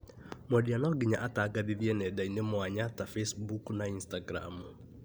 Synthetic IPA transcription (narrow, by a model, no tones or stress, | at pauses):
mɔdianɔɡiɲaʔataɡaðiðjenɛdainemwaɲatafesbuknainstaɡɾa̰m